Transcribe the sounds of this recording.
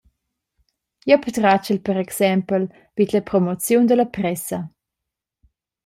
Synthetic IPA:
jɔpət̪ɾat͡ʃəlpəɾɛksɛmpəl | v̥it̪ləpɾɔmɔt͡sjund̪əlɐpɾɛsɐ

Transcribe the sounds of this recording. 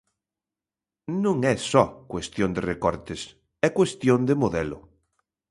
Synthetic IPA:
nũŋɛsɔkwest̪jond̪ɪrekɔɾt̪ɪs | ɛkwest̪jond̪emoðɛlʊ̰

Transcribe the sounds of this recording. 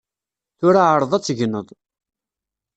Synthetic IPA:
θʊɾaʕəɾˤəðˤæt͡sːəʝənəðˤ

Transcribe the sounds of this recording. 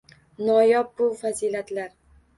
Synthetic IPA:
nɒjɒp̚bʊfaziːlat̪laɾ

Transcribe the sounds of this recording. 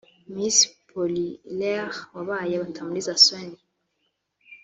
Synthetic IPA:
mispʰɔlilɛʁwaβajɛβatʰamulizaswɛni

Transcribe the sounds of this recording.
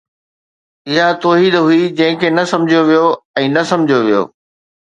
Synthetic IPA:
ɪɦat̪ɔːɦiːd̪ɦuid͡ʑɐ̃ɦɪ̃kʰeːnɐsɐ̃md͡ʑʱijoʋijoɛ̃ːnɐsɐ̃md͡ʑʱijoʋijo̰ː

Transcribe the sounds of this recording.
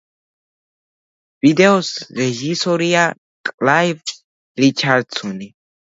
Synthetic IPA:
vid̪ɛɔsɾɛʒisɔɾia | kʼlajv | ɾit͡ʃʰaɾd̪sʰɔni

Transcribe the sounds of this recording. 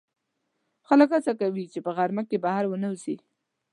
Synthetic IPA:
xaləkhat͡sakawit͡ʃepəɣaɾmakːebahaɾwənawzi

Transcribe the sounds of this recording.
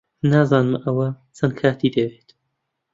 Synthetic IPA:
naːzɑːnɨmʔɐwɐ | t͡sʰɐnkʰaːt̪iːd̪ɐweːt̪

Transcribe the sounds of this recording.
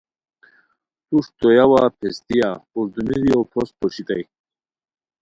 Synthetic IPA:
t̪uʂt̪ojawapʰest̪ijauɾd̪umiɾiowpʰospoɕit̪aj

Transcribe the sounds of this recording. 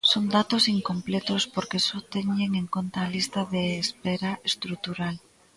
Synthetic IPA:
sond̪at̪osiŋkomplɛt̪ospoɾkesot̪ɛɲeŋeŋkont̪aːlist̪ɐðeːspɛɾaest̪ɾut̪uɾal

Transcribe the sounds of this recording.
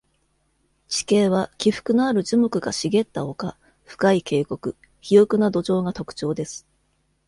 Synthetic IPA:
t͡ɕi̥ke̞ːβ̞akʲiɸɯ̟̥kɯ̟no̞aɾɯ̟ʑimo̞kɯ̟ɡaɕiɡe̞t̪ːao̞ka | ɸɯ̟̥kaike̞ːko̞kɯ̟ | çijo̞kɯnad̪o̞ʑo̞ːŋat̪o̞kɯ̥t͡ɕo̞ːd̪e̞sɨ̥

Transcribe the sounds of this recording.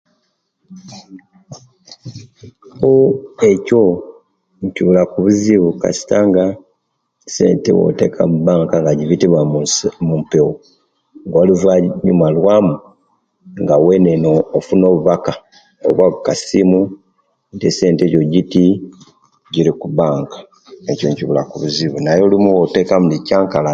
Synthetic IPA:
oeco̞ | ciβulakuβuziβuka̰si̥taŋɡa | se̞̰ːntḛwo̞̰te̞̰kʰa̰mubaːŋkaŋɡaɟiβitiβwamumpewo | ŋɡoluvaɲumalwamu | ŋɡawe̞nenoːfuno̞ːβuβaka | o̰βwakukasimu | ntese̞ːnte̞coɟiti | ɟiɾikubaːŋkḁ | ecoɲciβulakuβuziβunajolimuwote̞kamulicaːŋkala

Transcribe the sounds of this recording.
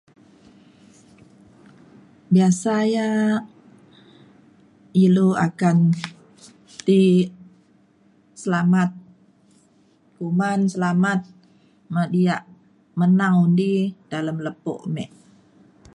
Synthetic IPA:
biasaja | iluakan | t̪i | səlamat̪̚ | kumansəlamat̪̚ | madiaʔ | mənaŋundid̥aləmləpo̰ʔmɛ̰ʔ

